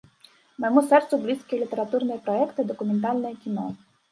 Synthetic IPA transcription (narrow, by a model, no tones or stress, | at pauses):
mɛmusɛrt̪sʊblʲisʲkʲilʲit̪eɾɐt̪urnɔjɛpɾɔɛkt̪ɪd̪ɔkʊment̪ɑlʲnɔjɛkʲinɔ̰